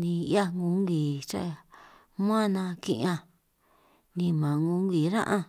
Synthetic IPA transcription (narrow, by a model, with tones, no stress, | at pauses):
nĩ˧ja˦ŋũ˧˦ŋɡi˨t͡ʃa̰˦˧ | m˦ã˦˧nã˧kḭ̃˧ʔã˧ | nĩ˧mã˨ŋũ˧˦ŋɡi˨ɾã̰˦ʔã˦˧